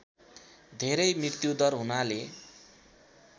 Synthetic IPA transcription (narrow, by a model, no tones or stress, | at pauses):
d̪ʱeɾʌjmrirt̪jud̪ʌrɦunale